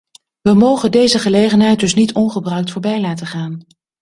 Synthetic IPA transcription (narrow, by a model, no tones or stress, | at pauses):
ʋəmowχəndejzəχəlejχənɦɛjt̚dɵsnitɔnχəbrœɥk̚tfʊːɹbɛjlaːtəχaːn